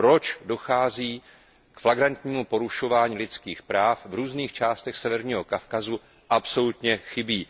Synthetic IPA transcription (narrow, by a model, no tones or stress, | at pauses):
pɾo̞t͡ʃdo̞xaːziː | kflaɡɾant̪ɲiːmupo̞ɾuʃo̞vaːɲiːlɪt͡skiːxpɾaːfvɾuːzniːxt͡ʃaːst̪ɛxsɛvɛɾɲiːɦo̞kafkazu | ʔapso̞lut̪ɲɛxɪbiː